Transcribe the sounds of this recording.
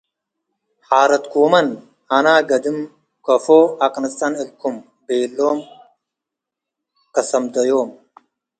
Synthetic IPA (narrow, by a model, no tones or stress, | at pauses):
haːɾɐt̪koːmɐn | ɐnaːɡɐd̪im | kɐfoːɐkɐnist̪anilkʰum | beːlːoːm | kɐsɐmd̪ɐjoːm